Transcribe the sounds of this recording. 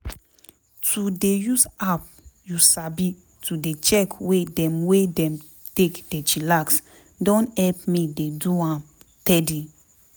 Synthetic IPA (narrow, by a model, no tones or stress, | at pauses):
tʰudejusap̚ | jusabi | tʰudet͡ʃɛkwedɛ̃mwedɛ̃m | tekd̥et͡ʃilaks | dɔ̃nhɛlpmideduãm | tɛdi